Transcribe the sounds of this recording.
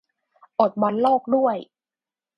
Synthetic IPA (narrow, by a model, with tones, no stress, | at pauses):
ʔo˨˩t̪̚bɔ˧˥nloː˥˩k̚du˥˩əj